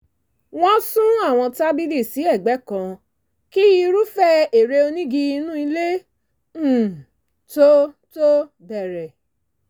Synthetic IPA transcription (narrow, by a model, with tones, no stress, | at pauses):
w̃ɔ̃˦sũ˦a˦˨w̃ɔ̃˧ta˦bi˦li˦˨si˨˦ɛ˦˨ɡ͡bɛ˨˦kã˧ | ki˦ji˧ɾu˦fɛ˦e˨ɾe˧o˧nĩ˦ɡi˧i˧nũ˦i˧le˦˨ | to˦ | to˦ | bɛ˨ɾɛ˨